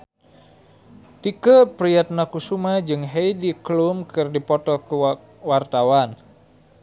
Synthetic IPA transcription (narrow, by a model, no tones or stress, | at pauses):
t̪ikəpɾiat̪̚nakusumad͡ʒɨŋɦeidiklumkɨrdipɔt̪ɔku | wart̪awan